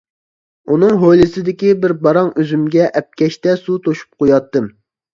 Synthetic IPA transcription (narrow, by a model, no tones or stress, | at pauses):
unɨŋɦojlɨsɪd̪ɪkʲibɪɾbɑɾɑŋøzymɡʲɛʔɛp̚kʲɛʃt̪ɛsut̪ʰoʃu̥p̚qʰojɑt̪ːɨm